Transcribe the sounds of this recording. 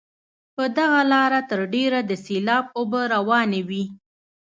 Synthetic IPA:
pəd̪aɣalɑɾat̪əɾɖeɾad̪əselɑbobəɾawɑnewi

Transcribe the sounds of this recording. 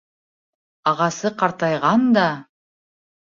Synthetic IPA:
ɑʁɑsɯqʰɑɾt̪ɑjʁɑnd̪ɑ

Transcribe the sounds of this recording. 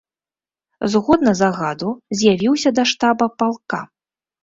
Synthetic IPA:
zɣɔd̪nɐzaɣad̪uzʲjavʲiwsʲɐd̪ɐʂt̪abɐpalˠka

